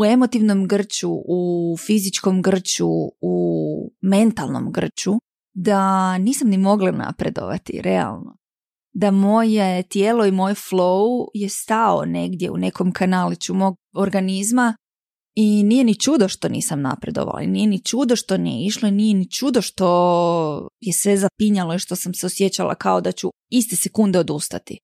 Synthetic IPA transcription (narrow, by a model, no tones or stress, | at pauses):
ue̞mo̞t̪iʋno̞mɡr̩t͡ɕuufizit͡ʃko̞mɡr̩t͡ɕuu | me̞nt̪alˠno̞̰mɡr̩t͡ʃu | d̪aniːsamnimo̞ɡlˠana̰pɾe̞d̪o̞̰ʋa̰t̪ḭɾe̞a̰lˠno̰ | d̪amo̞jet̪jeːlˠo̞imo̞jeflˠouje̞st̪ao̰ne̞ɡd̪je̞ṵne̞kʰo̞mkanalit͡ɕumo̞ɡ̚oɾɡanizma | inije̞nit͡ʃud̪oʃt̪o̞nḭːsamna̰pɾe̞d̪oʋa̰la̰inije̞nit͡ʃud̪o̞ʃt̪o̞nijḛiʃlo̞inije̞nit͡ʃud̪o̞ʃt̪o̞ | je̞sʋe̞zapiɲalo̞iʃt̪o̞samseosje̞t͡ɕalʔa̰kao̞d̪at͡ɕu | ist̪e̞se̞kund̪eo̞d̪ust̪at̪i